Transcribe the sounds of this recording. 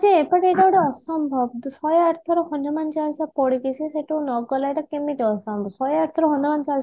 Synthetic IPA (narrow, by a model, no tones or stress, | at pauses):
d͡ʒiepaʈeʈawɽɔɔsɔmbʱɔbsɔjaɾt̪ʰɔɾɔhɔnjɔmant͡ʃalsapɔɽikisiseʈunɔɡɔlajʈakemit̪ɔɔsɔmbʱɔsɔjaɾt̪ʰɔɾɔɦɔnɔmant͡ʃals